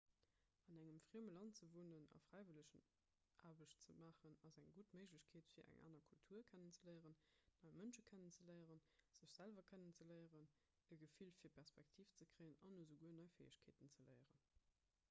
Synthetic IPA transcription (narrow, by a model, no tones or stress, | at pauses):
ɑnæŋəmfʁ̥iəməlɑntt͡səvuːnənɑ̰fʁ̥æɪviləɕən | ʔaːbəɕtt͡səmaːχənɑzæŋɡutməɪʒləɕkʰeːtfiːɐʔæ̰ŋʔa̰ːnɐkʰultʰuɐkʰænənt͡səlɜɪəʁənːɑɪmənʃəkʰænənt͡səlɜɪəʁənz̥əɕz̥ælvɐkʰænənt͡sələɪəʁən | əɡəfilfiːɐpʰæʁspæk̚tʰiːft͡səkʁ̥əɪənɑnozəɡuənɑɪfeːəɕkʰeːtənt͡səlɜɪəʁən